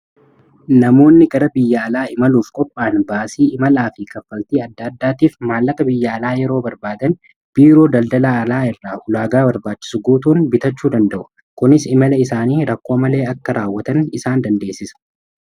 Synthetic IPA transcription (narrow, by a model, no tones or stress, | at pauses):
nɐmo̞ːnːɪɡɐɾɐbɪjːɐːlaːɪmɐluːfkʼɔpʼːaːnbaːsiːɪmɐlaːfɪkɐfːɐlt̪iːɐd̪ːaːd̪ːaːt̪iːfmaːlːɐkɐbɪjːɐɐlaːjɛɾo̞ːbɐɾbaːd̪ɐn | b̥iːɾo̞ːd̪ɐld̪ɐlaɐlaːɪrːaːʔʊlaːɡaːbɐɾbaːt͡ʃːɪ̥sʊɡuːt̪uːnbɪt̪ɐt͡ʃːuːd̪ɐnd̪ɐʔʊ̥ | kʊnɪsɪmɐlɐɪsaːniːɾɐkːo̞ːmɐle̞ːɐkːɐɾaːwːɐt̪ɐnɪsaːnd̪ɐnd̪e̞ːsːɪsɐ̥